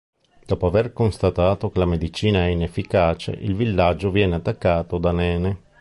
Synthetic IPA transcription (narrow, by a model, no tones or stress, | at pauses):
d̪̥ɔːpoaverkonst̪at̪aːt̪okelamed̪it͡ʃiːnaɛinefːikaːt͡ʃḛʔḭlvilːad͡ʒːovjɛːneat̪ːakːaːt̪od̪anɛːne